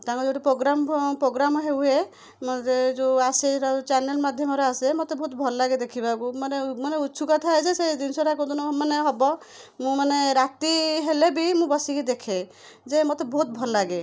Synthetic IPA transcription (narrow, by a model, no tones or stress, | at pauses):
t̪ãŋkɔd͡ʒɔʈipɾoɡɾampɾoɡɾamɔɦewɦe | mɔt̪ed͡ʒoaseeʈat͡ʃanelmad̪ʱjɔmɔɾeasemot̪ebʱɔɦut̪̚bʱɔlɔlaɡed̪ekʰibabumanemaneutːsʰukɔt̪ʰaed͡ʒesed̪insɔɾakod̪ɔnɔmaneɦɔbɔ | mũmaneɾat̪iɦelebimũbɔsikid̪ekʰe | d͡ʒemot̪ebʱɔɦut̪̚bʱɔllaɡe